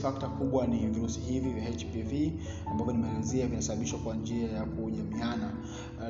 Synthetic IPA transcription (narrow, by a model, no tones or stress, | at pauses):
fak̚takuɓwaniviɾusi̥hivivjaɛt͡ʃpivi | ambavjɔnimɛanziavinasaɓaɓiʃwakwand͡ʒiajakuɲamiana